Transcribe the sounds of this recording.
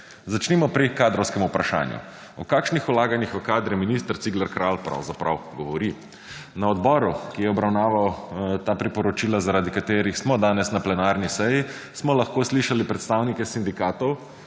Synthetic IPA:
zat͡ʃnimɔpɾikaːd̪ɾɔwskɛmupɾaʃa̰ːnjṵ | ɔkaːkʃnixulaːɡanixʋkaːd̪ɾɛminist̪əɾt̪siɡlaɾkɾaːlpɾa̰wzapɾa̰wɡɔʋɔɾi | naɔd̪bɔːɾukijɛɔbɾawnaːʋawt̪aːpɾipɔɾɔt͡ʃiːlazaɾaːd̪ikat̪eːɾixsmɔd̪aːnɛsnaplɛnaːɾnisɛji | smɔlaxkoːsliʃalipɾɛt̪st̪awnikɛsind̪ikaːt̪ɔw

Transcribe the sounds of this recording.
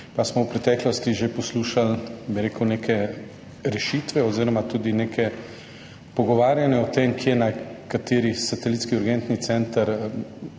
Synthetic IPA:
pasmɔwpɾɛt̪ɛklɔst̪iʒepɔsluːʃalbiɾeːkəwnekʰɛ | ɾɛʃit̪ʋɛɔziːɾɔmat̪uːd̪ineːkʰɛ | pɔɡɔʋaːɾjanɛɔt̪emkjeɛnakat̪eːɾisat̪ɛlit̪skiuɾɡɛnt̪nit̪sɛnt̪əɾ

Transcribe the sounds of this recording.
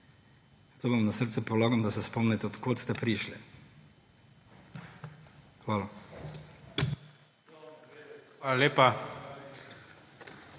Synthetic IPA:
t̪oːʋamnasəɾt̪sɛpɔlaːɡɔmd̪asɛspɔmnɛt̪ɛɔt̪koːt̪st̪ɛpɾiʃlɛ̰ | xʋaːla | alaleːpa

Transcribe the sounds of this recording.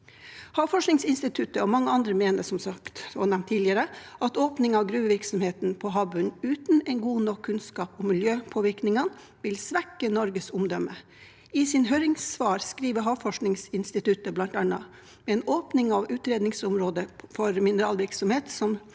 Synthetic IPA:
hɑːʋfɔʂnɪŋsɪnst̪ɪt̪ʰʉt̪əɔmɑŋːəɑnd̪ɾəmeːnəsɔmsɑkt̪ɔnɛmnt̪ʰːiːlɪəɾəʔɑt̪oːpnɪŋɑʋɡɾʉːəʋɪɾksɔmheːt̪npʰɔɦɑːbʉnʉːt̪n̩ɛnɡuːnɔkʰːʉnskɑːpɔmːɪljøːpʰoːʋɪɾknɪŋən | ʋɪlsʋækːənɔɾɡəsʊmd̪ɔmə | ɪsɪnɦøːɾɪŋsʋɑːɾskɾiːʋəɦɑːʋfɔʂknɪŋsɪnst̪ɪt̪ʉt̪əblɑnt̪ɑnːɑ | mɛɛːnoːpnɪŋɑʋʉːt̪ɾeːd̪nɪŋsʊmɾoːd̪əfɔɾmɪnəɾɑːlʋɪɾksɔmheːt̪sɔm

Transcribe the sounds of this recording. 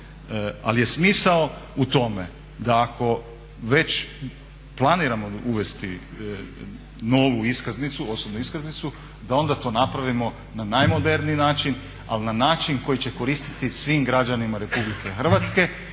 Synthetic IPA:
a̰lje̞smiːsaout̪o̞me̞̰ | d̪aːkʰo̞ | ʋe̞t͡ɕ | plˠaniːɾamo̞uʋe̞st̪i | no̞ːʋuiskaznit̪suo̞sobnuiskaznit̪su | d̪ao̞nd̪at̪o̞ːnapɾaʋimo̞ | nanajmo̞d̪e̞ɾninaːt͡ʃin | a̰lnanaːt͡ʃinko̞jit͡ɕe̞ko̞ɾiːst̪i̥t̪isʋimɡɾad͡ʒanimaɾe̞publike̞xr̩ʋat̪ske̞

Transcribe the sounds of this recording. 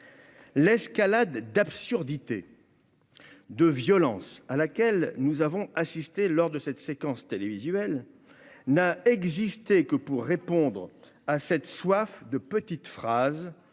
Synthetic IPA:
lɛskalad̪d̪apsyʁd̪it̪ḛ | d̪əvjɔlɑ̃salakʲɛlnuzavɔ̃asist̪elɔʁd̪əsɛt̪sekɑ̃st̪elevizɥɛl | naɛɡzist̪ekəpuʁːepɔ̃d̪ʁ | asɛt̪swafd̪əpət̪it̪fχaz

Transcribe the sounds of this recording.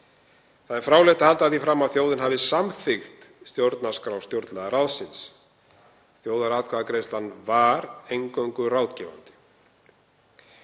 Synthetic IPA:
θaðɛɾ̥fɾaːwlɛht̪ahalt̪aθifɾamːaðθjoːwðɪnɦavɪsamθɪxt̪st̪jowɾt̪naskɾawst̪jowɾt̪laɣaɾalsɪns | θjoːwðaɾaːt̪kʰvaðakɾejst̪lanːvaɾejŋkoɥŋkʏrawt̪cɛva̰nt̪ɪ̥

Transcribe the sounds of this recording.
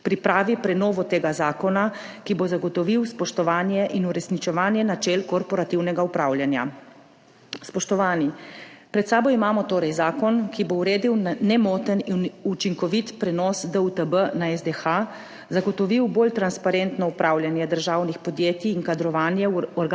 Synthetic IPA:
pɾipɾaːʋipɾɛnɔːʋɔt̪eːɡazaːkɔna | kibozaɡɔt̪ɔʋiwspɔʃt̪ɔʋaːnjɛʔinuɾɛsnit͡ʃɛʋaːnjɛnat͡ʃɛlkɔɾpɔɾat̪iwnɛɡaupɾaːwljanja̰ | spɔʃt̪ɔʋaːnipɾɛt̪saːbɔimaːmɔt̪oːɾɛjzaːkɔnkibouɾeːd̪iwnnɛmɔːt̪əninut͡ʃiŋkɔʋit̪pɾɛnɔsd̪əut̪əbənaɛzd̪ɛxa | zaɡɔt̪ɔʋiwboːlt̪ɾanspaɾent̪nɔupɾaːwlʲjanjɛd̪əɾʒaːwnixpɔd̪jeːt̪iːŋkad̪ɾɔʋaːnjɛɔɾɡ

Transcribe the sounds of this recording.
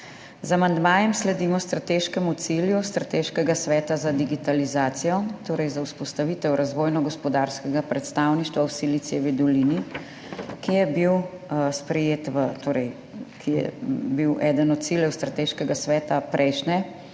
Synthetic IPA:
zamand̪maːjɛmslɛd̪iːmɔst̪ɾat̪eːʃkɛmut̪siljust̪ɾat̪eːʃkɛɡasʋɛːt̪azad̪iɡit̪alizaːt̪sijɔt̪oːɾɛjzauspɔst̪aʋiːt̪ɛwɾʔazʋoːjnɔɡɔspɔd̪aɾskɛɡapɾɛt̪st̪aːwniʃt̪ʋawsilit̪sɛʋid̪ɔliːni | kijɛbiwspɾɛjeːt̪ʋət̪oːɾɛj | kʰijɛ̰biwʔɛːd̪ənɔt̪̚siljɛwst̪ɾat̪eːʃkɛɡasʋɛːt̪apɾʔɛjʃnɛ

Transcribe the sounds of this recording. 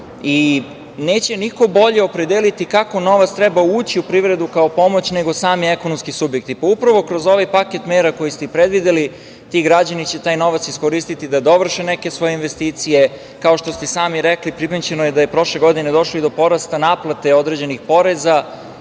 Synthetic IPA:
i | neːt͡ɕe̞niko̞bo̞ʎeo̞pɾe̞d̪elit̪ikako̞no̞ʋat̪st̪ɾɛbauːt͡ɕiupɾiʋɾe̞d̪ukaopo̞mo̞t͡ɕne̞ɡo̞saːmiekonomskisubjek̚t̪ipaupɾaʋo̞kɾo̞zo̞ʋajpaket̪meːɾako̞jist̪ɛpɾed̪ʋid̪eli | t̪iːɡɾad͡ʑanit͡ɕe̞t̪aːjno̞ʋat̪siskoɾist̪it̪id̪ad̪o̞ʋr̩ʃeneke̞sʋo̞jeinʋest̪iːt̪sije̞ | kao̞ʃt̪o̞st̪ɛsaːmiɾeklipɾipeɲt͡ɕenojed̪ajepɾo̞ʃle̞ɡo̞d̪ine̞d̪o̞ʃloid̪opo̞ɾast̪anaːplˠat̪e̞o̞d̪ɾe̞d͡ʑe̞nixpo̞ɾe̞za

